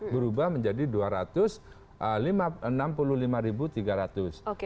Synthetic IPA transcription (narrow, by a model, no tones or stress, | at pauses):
bəɾubahməɲd͡ʒadiduaɾat̪ʊs | ʔəlimaənampuluhlimaɾibut̪iɡaɾat̪ʊs